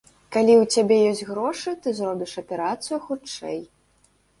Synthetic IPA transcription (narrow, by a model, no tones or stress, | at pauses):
kalʲiwt͡sʲabʲɛjɔsʲtʲɣɾɔʂɨt̪ɨzɾɔbʲiʂɐpʲɛɾat̪sɨjuxut͡ʂɛ̰j